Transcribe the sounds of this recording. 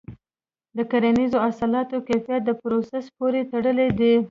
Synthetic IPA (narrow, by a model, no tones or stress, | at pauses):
d̪əkaɾanizoasɑlɑt̪okafijat̪̚d̪əpɾosaspoɾet̪aɽəled̪i